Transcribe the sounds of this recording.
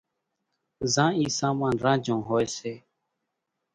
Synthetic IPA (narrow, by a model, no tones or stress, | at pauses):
zãːiːsaːmãːnɾãːd͡ʒʱõːɦoːeːseː